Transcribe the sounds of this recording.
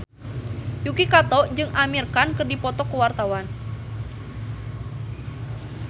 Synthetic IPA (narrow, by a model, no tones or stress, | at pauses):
jukikat̪ɔʔd͡ʒɨŋʔamirkankɨrdipɔt̪ɔkəwart̪awan